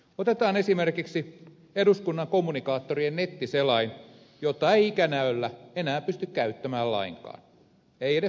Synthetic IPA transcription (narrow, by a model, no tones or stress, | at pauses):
ot̪et̪ɑːnesimerkiksi | eduskunːɑŋkomːunikɑːt̪ːoriennet̪ːiselɑin | jot̪ːˑɑeiikænæølːæenæːpyst̪ykkæyt̪ːæmæːllɑ̰iŋkɑ̰ːn | eiene